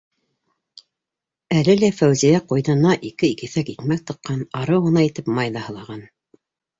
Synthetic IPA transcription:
ælɘlæfæwzijæqujðɤ̆nɑʔikɘikiθækit̪mæk̚t̪ɤ̆qːɑnɑɾɤwʁɤ̆nɑit̪ɘpmɑjðɑhɤ̆lˠɑʁɑn

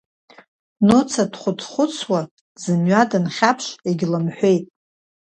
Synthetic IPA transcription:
not͡sʰadχʷʊtʰχʷʊt͡sʰwa | zɨmɥadɨnχʲapʰʃeɡʲlɨmħʷᶣejtʼ

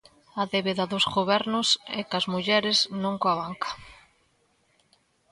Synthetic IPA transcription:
ɐðeβeðɐðʊzɣoβɛɾnʊsɛ̰kɐzmuʎɛɾɪznõŋkoaβaŋkɐ̥

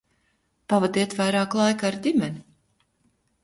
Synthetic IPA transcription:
pavad̪iɛt̪vajɾaːklˠajkaɾd̪ʲimʲɛnʲi

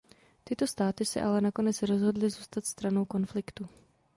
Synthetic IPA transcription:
t̪ɪt̪o̞st̪aːt̪ɪsɛ̰ʔalɛnako̞nɛt͡sɾo̞zɦo̞dlɪzuːst̪at̪st̪ɾano̞wko̞nflɪkt̪u

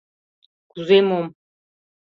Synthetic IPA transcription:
ɡ̥uzemom

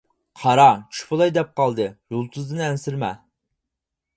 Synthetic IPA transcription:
qʰɑɾɑt͡ʃʰy̥ʃpʊlˠɑjd̪ɛp̚qɑlˠd̪ɨjulˠt̪ʰuzd̪ɨnɛnsɪɾmɛ

